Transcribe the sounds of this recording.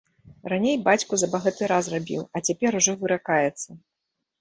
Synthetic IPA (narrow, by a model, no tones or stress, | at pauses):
ranʲejbat͡sʲkuzɐbɐɣat̪ɨɾasrabʲḭwɐt͡sʲapʲɛɾuʐɔvɨɾakajɛt̪sːɐ